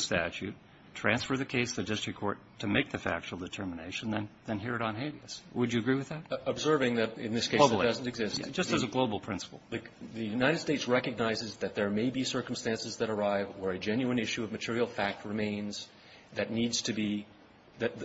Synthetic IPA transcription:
stæ̰t͡ʃʉt | tʰɹ̥æ̃nsfə˞ðɨkʰeɪsðɨdɪstɹ̥ikʰɔ̰ɹtʰɨmeɪk̚ðɨfæ̰k̚t͡ʃul̩ˠdɨtʰɜ˞mənḛɪʃn̩ðɨ̃nðɨ̃nɦiɹɨɾn̩ɦeɪviɨswəd͡ʒɨɨɡɹiwɨðæt̚əbzɜ˞vɪ̃ŋðɨɾɪ̰̃nðɪskʰeɪdʌzn̩tɨɡzɪsd͡ʒʌstɨzəɡloʊbl̩ˠpʰɹ̥ɪ̰̃nsə̥pl̩ˠðɨðɨjʉnaɪɾɨd̥steɪtsɹɛkɨɡ̚naɪzɨzðɨt̪̚ðə˞meɪbisɜ˞km̩stæ̃nsɨzðɨɾə˞aɪvwə˞ɨd͡ʒɛ̃njʉɨ̃nɪʃʉʌvmɨtʰɪɹil̩ˠfæk̚t̚ɹɨmẽɪ̃nz̥ | ðɨtⁿnidz̥tʰɨbi | ðɨ

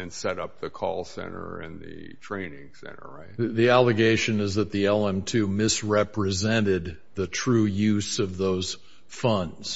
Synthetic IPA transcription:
ɨ̃nsɛɾʌp̚ðɨkʰɔlˠsɛ̰̃ñə̰˞ɪ̃nðɨ̰ | tʰɹ̥ẽɪ̃nɪ̃ŋsɛ̰̃ñə̰˞ɹaɪt̚ðiælˠɨɡeɪʃɨ̃nɨzðɨt̪̚ðiɛlˠɛ̃mtʰʉmɪsɹɛpɹɨzɛ̃nɪd̪̚ | ðɨtʰɹ̥ʉjʉzʌvðoʊz̥ | fʌ̃ndz̥

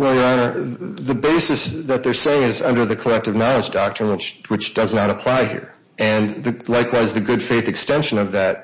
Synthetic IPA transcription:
wɛlˠjə˞ɑnə˞ðɨbeɪsɨsðɨt̪̚ðə˞seɪɪ̃ŋɨzʌ̃ndə˞ðɨkʰəlɛk̚tɨvnɑlˠəd͡ʒdɑk̚tɹ̥ɨ̃nwɨt͡ʃwɨt͡ʃd̥ʌznəɾəpʰl̥aɪhḭɹ | ɨ̃nðɨlaɪkwaɪzðɨɡʊd̥feɪθɨkstɛ̃nʃɨ̃nʌvðɨt̚

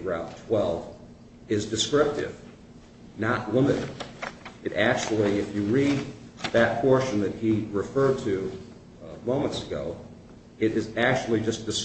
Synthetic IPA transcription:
ə˞ãʊ̃ntʰw̥ɛlˠv | ɪzdɨskɹɪp̚tɪ̰v̥ | nəʔ̚lɪ̃nɨɾɨ̰̃ | ɨɾʔæk̚t͡ʃul̩ˠiɪfjɨɹid̪̚ðɨt̚pʰɔɹʃɨ̃n̩ðɨt̚hiɹɨfɜ˞d̚tʰɨ | mõʊ̃mə̃ntsɨɡoʊ | ɨɾɪzæk̚t͡ʃul̩ˠid͡ʒʌsd̥ɨs

